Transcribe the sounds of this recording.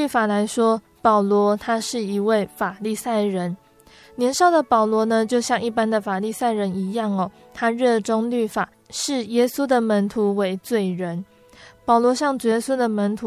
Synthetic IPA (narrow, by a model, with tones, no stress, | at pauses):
y˥˩fa˨˩la˧˥ɪʂwɔ˥ | pɑ˨˩ʊlwɔ˧˥t̪ʰa˥ʂɻ̩˥˩i˧˥we˥˩ɪfa˨˩li˥˧sa˥˩ɪɻə˧˦˥n | njɛ˧˥nʂɑ˥˩ʊlə˩pɑ˨˩ʊlwɔ˧˥nə˧t͡ɕjo˥˧ʊɕjɑ˥˧ŋi˥˩pa˥nd̪ə˨fa˨˩li˥˧sa˥˩ɪɻə˧˥ni˧˥jɑ˥˩ŋɔ˩ | t̪ʰa˥ɻɤ˥˩ʈ͡ʂʊ˥ŋly˥˩fa˨˩ | ʂɻ̩˥˩jɛ˥su˥d̪ə˨mə˧˥nt̪ʰu˧˥we˧˥ɪt͡swe˥˩ɪɻə˧˥n | pɑ˨˩ʊlwɔ˧˥ɕjɑ˥˩ŋʈ͡ʂu˨˩jɛ˧˦˥su˥d̪ə˨mə˧˥nt̪ʰu˧˦